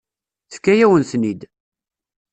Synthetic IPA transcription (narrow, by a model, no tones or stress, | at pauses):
θə̥fkːæjæwənθnid̪